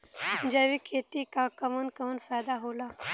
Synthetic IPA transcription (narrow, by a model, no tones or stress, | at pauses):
nd͡ʑaʋiːkʰet̪iːkakəmənkəmənfajd̪aɦola